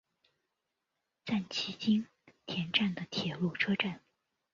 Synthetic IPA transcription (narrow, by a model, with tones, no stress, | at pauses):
t͡sa˥˩nt͡ɕʰi˧˥t͡ɕi˥n | t̪ʰjɛ˧˥nʈ͡ʂa˥˩nd̪ə˩t̪ʰjɛ˨˩lu˥˩ʈ͡ʂʰɤ˥ʈ͡ʂa˥˩n